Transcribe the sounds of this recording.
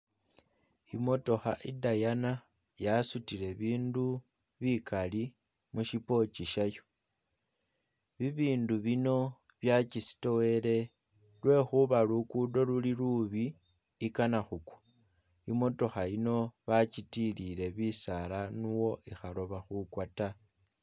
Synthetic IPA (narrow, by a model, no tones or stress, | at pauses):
imo̞to̞xa̰ʔidajana | jasutile̞βiːndu | βikali | muʃipo̞t͡ʃiʃajo̥ | βiβiːnduβino̞ | βjat͡ʃisi̥to̞we̞le̞ | lwe̞xuβalukudo̞luliluβiː | kanaxukwḁ | imo̞to̞xaino̞βat͡ʃitilile̞βisalanuwo̞ʔixalo̞βaxukwata